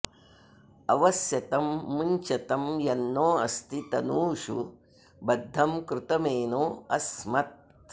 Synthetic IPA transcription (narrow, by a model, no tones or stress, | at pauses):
ɐʋɐsjɐt̪ɐmːuɲt͡ʃɐt̪ɐmjɐnːoːɐ̰st̪ʰit̪ɐnuːʂṵ | bɐd̪ʱːɐmkɾut̪ɐmeːnoːɐsmɐt̪̚